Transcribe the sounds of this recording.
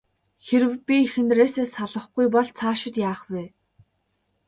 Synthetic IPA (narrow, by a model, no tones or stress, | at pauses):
xeɾɘ̆wpʲiixɘ̆nt̪reːseːsaɮə̆χɡujpɔɮt͡sʰaːʃɪ̆t̪jaːχpeː